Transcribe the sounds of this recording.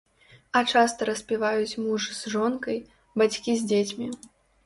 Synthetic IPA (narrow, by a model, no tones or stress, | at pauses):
ɐt͡ʂast̪ɐɾɐsʲpʲivajut͡sʲmuʐɨzʐɔnkɐj | bat͡sʲkʲizʲd͡zʲet͡sʲmʲi